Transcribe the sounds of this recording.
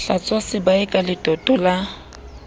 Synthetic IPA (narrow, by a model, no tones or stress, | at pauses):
ɬat͡sʼɔsɪbaɪkʼalɪtʼɔtʼɔla